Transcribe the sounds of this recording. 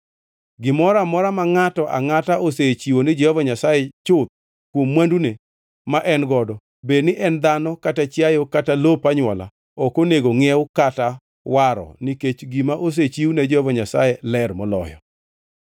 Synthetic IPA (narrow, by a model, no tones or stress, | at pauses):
ɡɪmɔɾamɔɾamaŋatɔʔa̰ŋataʔoset͡ʃiwonɪd͡ʒehɔvɔɲasajɛt͡ʃʊt̪̚ | kwomːwandune | maʔɛnɡɔdɔ | benɪʔɛnd̪anɔkatat͡ʃjajokatalopaɲwɔla̰ | okoneɡoŋɛwkata | waɾɔ̰niket͡ʃɡimaʔos̬et͡ʃiwnɛd͡ʒɛhɔvɔɲasa̰jɛlɛrmɔlɔ̰jɔ̰